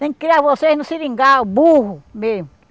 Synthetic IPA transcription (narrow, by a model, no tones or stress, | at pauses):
eŋkɾeaβosehnosiɾiŋɡabuhume